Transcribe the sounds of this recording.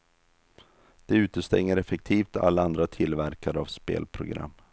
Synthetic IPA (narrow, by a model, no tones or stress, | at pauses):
d̪̥ɛʉ̟ːt̪əst̪ɛ̰ŋːəɾɛfɛk̚t̪ʰiːft̪a̰lːaand̪ɾat̪ʰɪlvæɾkad̪əavspḛːlpʰɾʊɡɾa̰mː